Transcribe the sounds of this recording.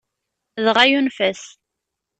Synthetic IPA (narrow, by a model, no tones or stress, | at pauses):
ðʁajunfæs